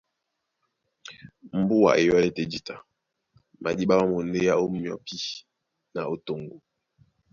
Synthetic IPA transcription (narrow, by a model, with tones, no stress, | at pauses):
m̩˦bu˦wa̰˨ʔḛ˨ja˦le˦te˦˨d͡ʒi˨ta˨ | mʔa̰˨di˦ba˦ma˦mo˨nde˦ja˦o˦mjɔ̰˨pi˦ | na˨o˦to˨ŋɡo˨